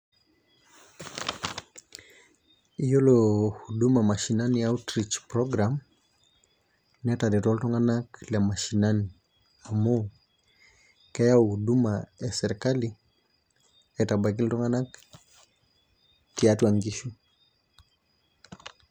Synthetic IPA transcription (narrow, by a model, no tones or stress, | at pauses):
ijɔlɔhuɗumamaʃinaniautɾit͡ʃpɾɔɡɾam | nɛtadɛtɔltɔŋɡanakljamaʃinani | amɔ | kɛjauhuɗumajasɛɾikali | ɛtabak̬iltɔŋɡanak | tiatwaŋɡiʃu